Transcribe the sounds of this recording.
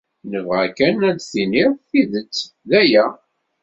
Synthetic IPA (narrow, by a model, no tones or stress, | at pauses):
nəvʁækænælθiniɾfiðət͡sː | ðæjæ